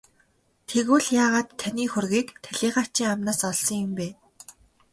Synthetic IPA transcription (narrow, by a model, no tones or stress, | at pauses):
t̪ʰeɣwɘ̆ɮjaːʁaːt̪t̪ʰːaniːxɵrɣiːkt̪ʰæɮiːχaːt͡ɕiːŋamnaːsɔɮsɞ̆ŋjʊ̆mpeː